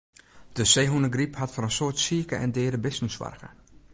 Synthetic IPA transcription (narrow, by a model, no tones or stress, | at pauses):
d̥əseːɦunəɡriphatfɔɾənsoːtsiəkəʔɛ̰ndɪːɾəbɪstən̩sʋa̰rɣə̰